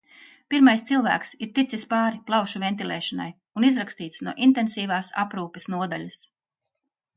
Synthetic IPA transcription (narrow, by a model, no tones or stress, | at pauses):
piɾmajst̪silˠvæ̰ːksiɾt̪it̪sispaːɾiplˠawʃuvent̪ilʲˠɛ̰ːʃɔna̰j | unizɾakst̪iːt̪snuɔʔint̪ensiːvaːsa̰pɾuːpesnuɔd̪a̰ʎʲas